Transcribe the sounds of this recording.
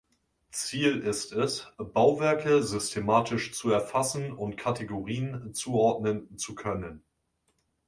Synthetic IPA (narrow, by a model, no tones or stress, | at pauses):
t͡siːlɪstɛsb̥aʊvɛɐkəzʏstʰemaːtʰɪʃt͡suɛɐfasn̩ʊntkʰatʰeɡoʁiːənt͡suːɔɐdnənt͡sukʰœnən